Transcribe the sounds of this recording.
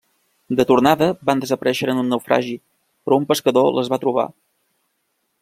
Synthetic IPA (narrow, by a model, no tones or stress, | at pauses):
d̪ət̪uɾnaðəband̪əzəpəɾʔɛʃəɾənunːəwfɾʔa̰ʒi | pɾɔumpəskəðoləzβat̪ɾuβa̰